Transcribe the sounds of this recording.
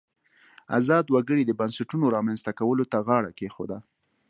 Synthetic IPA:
a̰zɑd̪waɡəɽid̪əbansaʈunoɾɑmanzt̪akawəlot̪aɣɑɽa̰kexo̰d̪a

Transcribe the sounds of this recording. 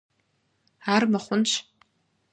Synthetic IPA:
armaχʷʊnt͡ʃʷʰ

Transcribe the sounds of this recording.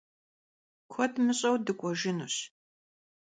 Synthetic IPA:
kʷʰɔtmɨɕʼɐwdɨkʷʼɔʒɪnuɕ

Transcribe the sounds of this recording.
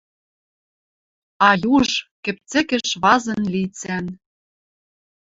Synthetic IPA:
ɑjuʒkɘ̆p̚t͡sɘ̆kɘ̆ʃβɑzɤ̆nlit͡sæn

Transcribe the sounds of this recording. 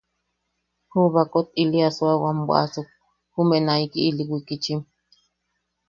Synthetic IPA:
huβakot̪̚iliaswawambʷa̰ʔasuk̚ | humeʔnaikiʔːliwikit͡ʃim

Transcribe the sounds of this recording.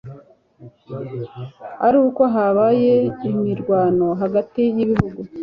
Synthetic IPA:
aɾuːkoɦaβaje̞imiɾɡwaːno̞ɦaɡatijiβiɦuɡu

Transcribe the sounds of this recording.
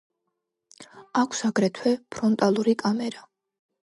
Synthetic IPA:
akʷʰsaɡɾɛt̪ʰwɛpʰɾɔnt̪ʼalˠuɾikʼamɛɾa

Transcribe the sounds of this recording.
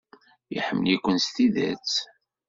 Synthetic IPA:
jḭħəmːəlikʷənst̪iðæ̰t͡s

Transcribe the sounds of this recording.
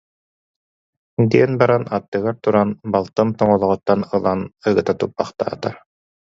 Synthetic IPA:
d̪iɛnbaɾanat̪ːɯɡaɾt̪uɾanbalˠt̪ɯnt̪ɔŋɔlˠɔʁɔt̪ːanɯlˠanɯɡɯt̪at̪up̚baχt̪a̰ːt̪a̰ɾ

